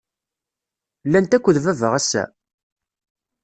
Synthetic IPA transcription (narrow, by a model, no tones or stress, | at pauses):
lːænt̪ækʷːəðvævəʁæsæ̰